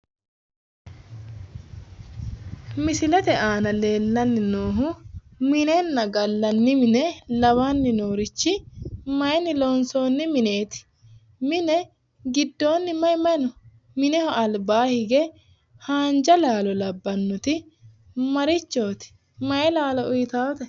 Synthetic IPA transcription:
mɪsɪlɛt̪ɛʔaːnɐle̞ːlːɐnːɪnoːɦʊmɪnɛnːɐɡɐlːɐnːɪmɪnɛlɐwaːnːɪnoːɾɪt͡ʃːɪmɐjɛnːɪloːnso̞ːnːɪmɪneːt̪ɪ̥ | mɪnɛ | ɡɪd̪ːo̞ːnːɪmɐjmɐjnɔ | mɪnɛhɔɐlbaːhɪɡɛ | haːnd͡ʒɐlaːlɔlɐbːɐnːʊt̪ɪ | mɐɾɪt͡ʃːoːt̪ɪ̥ | mɐjɛlaːlɔʔʊjɪt̪aːwɔt̪ɛ

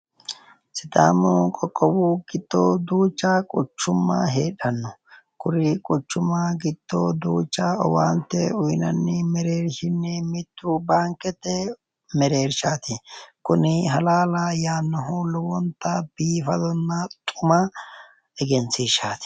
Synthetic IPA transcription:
sɪt̪a̰ːmɔːkʼɔkʼːɔwuɡɪd̪̥ːo̰ːd̪uːt͡ʃːakʼʊt͡ʃːʊmːɐ̰ɦeːᶑɐnːɔ | kʊɾɪkʼʊt͡ʃːʊmːaɡɪd̪̥ːo̰ːd̪uːt͡ʃʼːɐɔwaːnt̪ːɛʊjnɐnːɪmɛɾeːɾʃɪnːɛmɪt̪ːʊbaːŋkːɛt̪ːɛ | mɛɾe̞ːɾʃaːt̪ɪkʊnɪɦɐlaːlajaːnːɔɦoːlʊwɔnt̪ːɐbiːfɐd̪ɔnːɐt̪ʼʊmɐ | ɛɡɛnsiːʃaːt̪ɪ̥

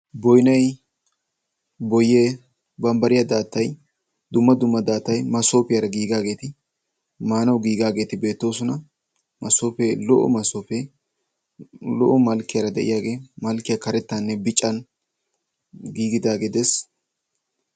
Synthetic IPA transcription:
bɔjnɐj | bɔjːeː | bɐmbɐɾɪjɐd̪aːt̪ːɐj | d̪ʊmːɐd̪ʊmːɐd̪aːt̪ːɐjmɐso̞ːpɪjɐɾɐɡiːɡaːɡe̞ːt̪ɪ | maːnɐwɡiːɡaːɡe̞ːt̪ɪbe̞ːt̪ːo̞ːsʊnɐ | mʔɐsoːpeːlɔʔɔ̰mɐsoːpe | lɔ̰ʔɔmɐlkːɪjɐɾɐd̪ɛ̰ʔɪjaːɡe̞ːmɐlkːɪjɐkɐɾɛt̪ːanːɛbɪt͡ʃʼːɐn | ɡiːɡɪd̪aːɡeːd̪ɛs

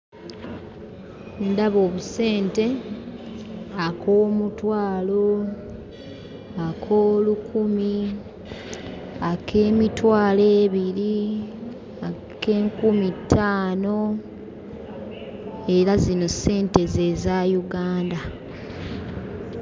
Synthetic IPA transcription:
ndaβo̞ːβuse̞ːnte̞ | akoːmutwaːlo̞ | akʰoːlukumi | akʰe̞ːmitwaːleːβiɾi | a | ke̞ːŋkumitʰːaːno̞ | e̞ɾazino̞se̞ːnte̞ze̞zajuɡaːnda

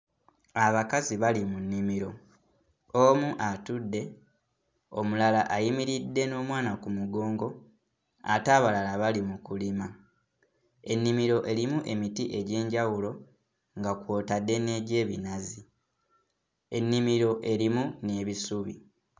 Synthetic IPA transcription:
aβakaziβalimunːimiɾo̞ | omuʔatudːe̞ | o̞mulalaʔajimiɾidːe̞no̞ːmwaːnakumuɡo̞ːŋɡo̞ | a̰taːβalalaβalimukulima | e̞nːimiɾo̞ʔe̞limuʔe̞mitiʔe̞ɟe̞ːɲɟawulo̞ | ŋɡakwo̞ːtadːe̞ne̞ːɟe̞ːβḭnazi | e̞nːimiɾo̞ʔe̞limune̞ːβisuβḭ

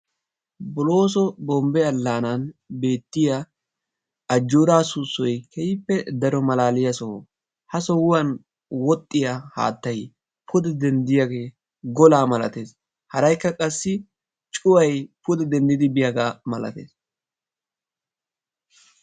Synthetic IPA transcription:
bʊlo̞ːs̬ɔbɔmbɛɐlːaːnɐnbe̞ːt̪ːɪja | ɐd͡ʒːuːɾaːsʊsːɔjkʰɛjɪpːɛd̪ɐɾɔmɐlaːlɪjɐsɔ | hɐsɔwʊwɐn | wɔt̪ʼːɪjaha̰ːt̪ːɐj | pʰʊd̪ɛd̪ɛnd̪ɪjɐɡe̞ː | ɡɔlaːmɐlɐt̪e̞ːs | hɐɾɐjkːɐkʼɐsːɪ | t͡ʃʼʊwɐjpʊd̪ɛd̪ɛnd̪ɪd̪ɪbɪjɐɡaːmɐlɐ̰t̪ḛːs

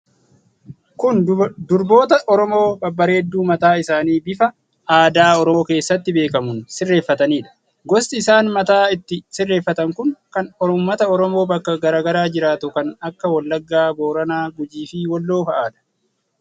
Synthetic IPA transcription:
kʊnd̪ʊɾbo̞ːt̪ɐʔɔɾɔmo̞ːbɐbːɐɾeːd̪ːuːmɐt̪aːɪsaːniːbɪfɐ | aːd̪aːɔɾɔːke̞ːsːɐt̪ːɪbe̞ːkɐmʊnsɪrːe̞ːfːɐt̪ɐniːᶑɐ̥ | ɡɔst̪ɪːsaːnmɐt̪aːɪt̪ːɪsɪrːe̞ːfːɐt̪ɐŋkʊŋkɐnɔɾʊmːɐt̪ɐɔɾɔmo̞ːbɐkːɐɡɐɾaːɡɐɾaːd͡ʒɪɾaːt̪ʊkɐnɐkːɐwɐlːɐɡːaːbo̞ːɾɐnaːɡʊd͡ʒiːfiːwɔlːo̞ːfɐʔaːᶑ̪ɐ̥

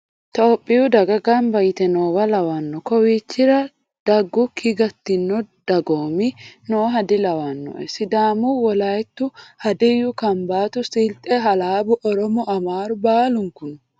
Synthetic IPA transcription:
t̪oːpʼːɪʊd̪ɐɡɐɡaːnbɐjɪt̪ɛnoːwɐlɐwanːɔkɔwiːt͡ʃːɪɾɐ | d̪̥ɐɡːʊkʰɪɡɐt̪ːɪnːɔd̪̥ɐɡoːmɪnoːɦɐd̪ɪlɐwanːɔ̰ʔɛsɪd̪aːmuwɔlajɛt̪ːʊhɐd̪ɛjʊkɐmbaːt̪ʊsɪlt̪ʼɛɦɐlaːbʊʔɔɾɔmɔʔɐmaːɾʊbaːlʊŋkʊn

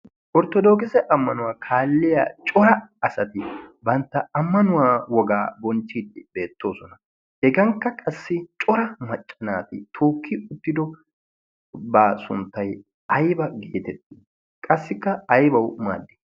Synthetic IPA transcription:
ʔɔɾt̪ɔd̪o̞ːkɪsɛʔɐmːɐnʊwaːkʰaːlːɪja̰ːt͡ʃʼɔɾɐɐsɐt̪ɪbɐnt̪ːɐɐmːɐnʊwaːwɔɡa̰ːbɔnt͡ʃːiːd̪ɪbe̞ːt̪ːo̞ːsɔnɐ | hɛɡɐŋkːɐkʼɐsːɪt͡ʃʼɔɾɐmɐt͡ʃʼːɐnaːt̪ɪt̪ʰoːkʰːɪʊt̪ːɪd̪ɔ | basʊ̰nt̪ːɐj | ɐjbɐɡeːt̪ɛt̪ːi | kʼɐsːɪkːɐɐjbɐwma̰ːd̪ːɪ̥

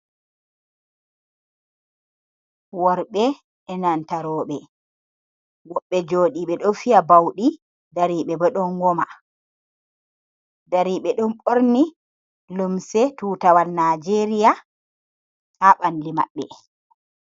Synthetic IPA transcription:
wɔɾɓɛ | ɛnantaɾɔːɓɛ | wɔɓːɛd͡ʒoːɗiɓɛɗɔfijabawɗi | daɾiɓɛbɔɗɔnɡɔma | daɾiɓɛɗɔmɓoɾni | lumsɛtuːtawalnad͡ʒeɾija | haɓanlima̰ɓːɛ̰

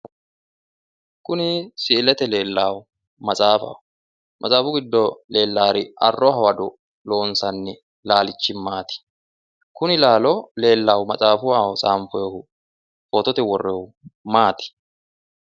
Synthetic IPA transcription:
kʊnɪsɪːlɛt̪ɛle̞ːlːaːw | mɐt͡sʼaːfɐ̰wʊ | mʔɐ̰t͡sʼaːfʊɡɪd̪ːɔle̞ːlːaːɾɪʔɐ̰rːɔɦɐwɐd̪ɔ | lo̞ːnsɐnːɛ | laːlɪt͡ʃːɪmːaːt̪ɪ̥ | kʊnɪlaːlɔle̞ːlːawmɐt͡sʼaːfʊwaːwt͡sʼaːmfɔjɔhʊ | poːt̪ɔt̪ɛwɔrːɛw | maːt̪ɪ̥

